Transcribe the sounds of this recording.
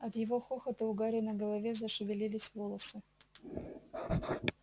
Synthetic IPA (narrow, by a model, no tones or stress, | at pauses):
ɐt̪jɪvo̞xoxət̪əʊɡaɾʲɪnəɡəlˠɐvʲezəʂɨvʲɪlʲilʲɪsʲvo̞lˠəsɨ